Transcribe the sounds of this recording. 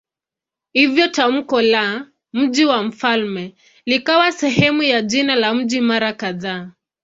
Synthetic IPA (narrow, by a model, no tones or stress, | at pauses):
hivjɔtam̩kɔla | m̩ʄiwam̩falmɛ | likawasɛɦɛmujaʄinalam̩ʄimaɾakaðaː